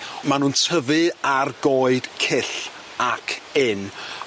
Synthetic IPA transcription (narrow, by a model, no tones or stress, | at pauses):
manuːntʰəvɨarɡoɨd̥kʰɪɬ | akʰɪn